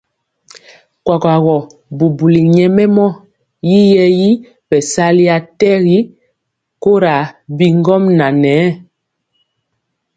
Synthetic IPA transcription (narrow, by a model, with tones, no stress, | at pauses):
kwa˨ka˨ɣɔ˨ | bu˨bu˨li˨ɲɛ˦mɛ˦mɔ˦ | ji˦jɛ˦ji˦ | bɛ˨sa˦li˦a˨tɛ˦ɣi˦ | ko˦ɾa˨bi˦ŋɡɔ˦mna˨nɛ˨˦